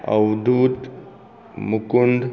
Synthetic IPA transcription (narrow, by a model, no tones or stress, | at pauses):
ə̰wd̪ʱuːt̪ | mukund̪